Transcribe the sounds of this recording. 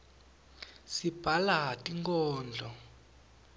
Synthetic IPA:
sib̥ʱalaɦatʼiŋkʼɔːnd͡ɮʱɔ

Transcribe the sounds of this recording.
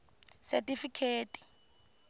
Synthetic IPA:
sɛtʼifikʰeːtʼi̥

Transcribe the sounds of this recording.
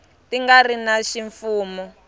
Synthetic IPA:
tiŋɡarinaʃiɱfuːmɔ

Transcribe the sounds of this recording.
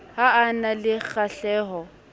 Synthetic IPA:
haanalɪɣaɬɛːɦɔ

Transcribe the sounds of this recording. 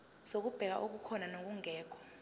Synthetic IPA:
zok̬ub̥ʱɛk̬a̰ʔok̬ukʰɔnanok̬uŋɛːkʰɔ̥

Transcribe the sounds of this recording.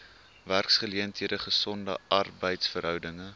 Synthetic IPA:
værksχəliəntɦiədəχəsɔndə̰ɐrbəjtsfərɦœwdəŋə

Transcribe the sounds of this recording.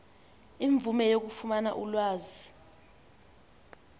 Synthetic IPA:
iɱb̪vumɛjok̬ufumana̰ʔulwaːzi

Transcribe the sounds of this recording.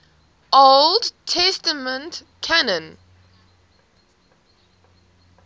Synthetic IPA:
ʔoldtʰɛstəmə̃nt | kʰanə̃n

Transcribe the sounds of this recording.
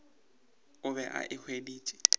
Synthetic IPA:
ʊβɛʔa̰ʔɪk͡xʰwediːt͡ʃʼɪ̥

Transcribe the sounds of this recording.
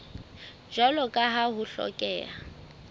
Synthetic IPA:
d͡ʒɔlɔkʼaɦaɦʊɬɔ̰kʼɛːa

